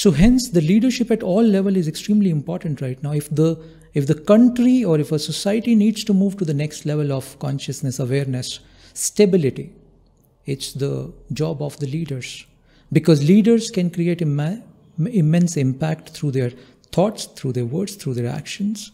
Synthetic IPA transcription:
soːɦɛ̃nsd̪əliːɖəɾʃɪpæʈɔːlːɛʋəlɪzeksʈɾĩːmliɪ̃mpɔːɾʈə̃ɳʈɾaɪʈnaʊɪfd̪ə | ɪfd̪əkʌ̃ɳʈɾiɔːɾɪfəsosaɪəʈiniːɖz̥ʈumuːʋʈud̪ənɛksʈlɛʋəlɔʋkɔ̰̃nʃəsnəsəʋeːɾnəsː | ʈebɪlɪʈi | ɪʈsd̪əd͡ʒɔːbɔʋd̪əliːɖəɾz̥ | bɪkɔːzliːɖəɾz̥kɛ̃nkɾieːʈ | ɪmɛ̃nsɪ̃mpæk̚ʈt̪ʰɾuːd̪eɾ | t̪ʰɔːʈst̪ʰɾuːd̪eɾʋəːɾɖst̪ʰɾuːd̪eɾæ̰kʃə̃nz

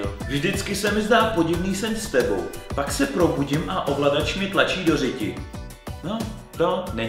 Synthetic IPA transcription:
vʒdɪt͡skɪsɛmɪzdaːpo̞ɟɪvniːsɛntst̪ɛbo̞̰wpaksɛpɾo̞buɟɪmʔaʔo̞vladat͡ʃmɪt̪lat͡ʃiːdo̞rɪcɪ̰ | no | t̪onɛɲ

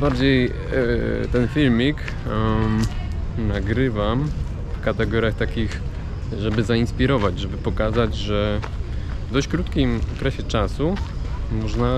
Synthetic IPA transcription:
baɾd͡ʑej | t̪ɛnfʲilmʲik | naɡɾɘvam | fkat̪ɛɡɔɾʲjaxt̪akʲix | ʐɛbɘzainspʲiɾɔvad͡ʑʐɛbɘpɔkazad͡ʑʐɛ | vd̪ɔɕt͡ɕkɾut̪kʲimɔkɾɛɕɛt͡ʂasumɔʐna

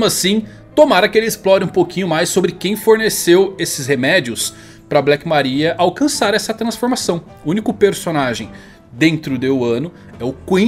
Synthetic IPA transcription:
mʊasĩ | t̪omaɾɐkelɪɪsplɔɾɪũpowkĩɲʊmajsːobɾɪkẽj̃foɾnesewesɪshemɛd͡ʒiʊs | pɾɐblɛkɪmaɾiɐʔawkɐ̃saɾɛsɐt̪ɾɐ̃sfoɾmasɐ̃w̃ | uũnikʊpeɾsonaʒẽj̃ | d̪ẽnt̪ɾʊd̪eʊɐ̃nʊ | ɛʊkĩ

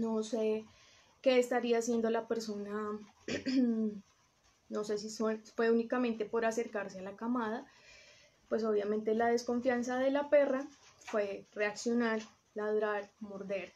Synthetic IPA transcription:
no̞se | ke̞ːst̪aɾiasje̞nd̪o̞lape̞ɾso̞na | no̞se̞sisofwe̞unikamẽ̞nt̪e̞po̞ɾase̞ɾkaɾse̞alakamað̞a | pwe̞s̬o̞βjamẽ̞nt̪e̞lað̞e̞sko̞ɱfjansaðe̞lape̞rafwe̞re̞aksjo̞naɾ | laðɾaɾmo̞ɾd̪e̞ɾ

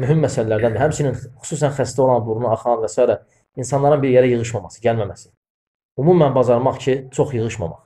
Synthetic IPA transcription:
myɦimːæsællæɾd̪ænd̪ɦæmsininχu̥suːs̬ænχæst̪io̞lˠɑnbuɾunuɑχɑnvæsɑːiɾæ | insɑnlˠɑɾɯnbiɾjeɾæjɯʁɯʃmɑmɑsɯ̥ɟælmæmæsi̥ | umumːænbɑzɑɾmɑχcʰit͡ʃʰo̞χjɯʁɯʃmɑ̰mɑ̰χ

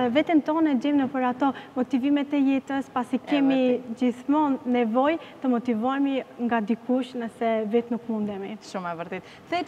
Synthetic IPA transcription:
vɛt̪əmt̪ɔnɛd͡ʒɛmnəpəɾat̪ɔmɔt̪ivimɛt̪ɛjɛt̪əspasikɛmid͡ʒiθmɔnːɛvɔjt̪əmɔt̪ivɔjmiŋɡad̪ikuʃnəsɛvɛt̪nukmund̪ɛmiʃumɛvəɾt̪ɛt̪ | ðɛ

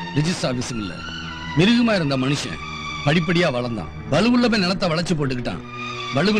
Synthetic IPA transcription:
ɾɪd͡ʒɪssaːɾfɪsŋɡɪɭːɐ̰ | mɪɾɯɣɯmaːɪɾɯnd̪ɐmɐnɯʂɐ̰̃ | pɐɽɪp̬ːɐɽɪjaːʋɐɭɐɾnd̪ã̰ː | bɐlɯʋɯɭːɐpẽːnɛnɐt̪ːɐʋɐɭɐt͡ʃːɯp̬oːʈːɯkːɪʈːã̰ː | bɐɭɯʋɯ

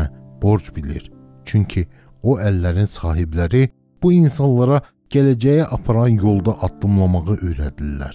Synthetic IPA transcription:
b̥o̞ɾd͡ʒbilḭɾ | t͡ʃʰyɲcʰi | oʔælːæɾinsɑːɦiblæɾi | b̥uinsɑnlˠɑɾɑ | ɟ̥ælæd͡ʒæjæʔɑpʰɑɾɑnjo̞lˠd̪ɑʔɑd̪ːɯmlˠɑmɑʁɯʔøjɾæd̪ilːæ̰ɾ̥

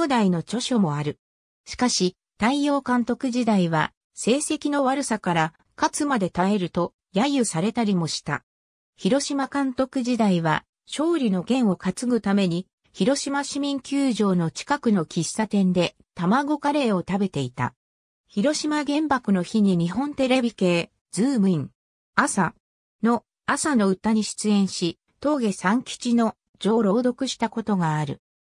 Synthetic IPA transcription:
oːd̪aino̞t͡ɕo̞ɕo̞mo̞aɾɯ̟ | ɕi̥kaɕi | t̪aijo̞ːkãnt̪o̞kɯ̟ʑid̪aiβa | se̞ːse̞kʲino̞βaɾɯ̟sakaɾa | kat͡sɨmad̪e̞t̪ae̞ɾɯ̟t̪o̞ | jajɯsaɾe̞t̪aɾʲimo̞ɕi̥t̪a̰ | çiɾo̞ɕimakãnt̪o̞kɯ̟ʑid̪aiβa | ɕo̞ːɾʲino̞ɡẽ̞ɰ̃o̞kat͡sɨɡɯ̟t̪ame̞ɲ̟i | çiɾo̞ɕimaɕimʲĩŋkʲɨːʑo̞ːno̞t͡ɕi̥kakɯ̟no̞kʲisːat̪ẽ̞nd̪e̞ | t̪amaɡo̞kaɾe̞ːo̞t̪abe̞t̪e̞it̪a̰ | çiɾo̞ɕimaɡẽ̞mbakɯ̟no̞çiɲ̟iɲ̟iɦõ̞nt̪e̞ɾe̞bʲike̞ː | d͡zɨːmɯ̟ĩŋ | asa | no̞ | asano̞ɯ̟t̪aɲ̟iɕi̥t͡sɨẽ̞ɰ̃ɕi | t̪o̞ːɡe̞sãŋkʲi̥t͡ɕino̞ | d͡ʑo̞ːɾo̞ːd̪o̞kɯ̟ɕi̥t̪ako̞t̪o̞ɡaːɾɯ̟

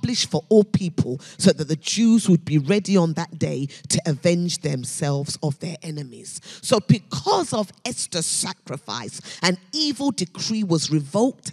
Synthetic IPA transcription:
blɪʃfə˞ʔɔlˠpʰipʰəlˠsoʊðɨt̪̚ðɨd͡ʒʉzwəd̚biɹɛdiə̃nðət̚d̥eɪtʰɨʔɨvɛ̃nd͡ʒðɨ̃msɛlˠvz̥ʌvðə˞ʔɛnɨmiz̥soʊbɨkʰʌzʌvɛstə˞sækɹɨfa̰ɪsɨ̃nivəlˠdɨkʰɹ̥iwʌzɹɨvolˠk̚t

